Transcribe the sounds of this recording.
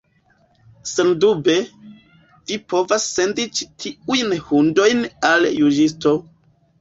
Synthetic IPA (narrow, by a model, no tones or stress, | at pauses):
sendube̞ | vipo̞vasːe̞ndit͡ʃitʰiujnhundo̞jnaljud͡ʒisto̞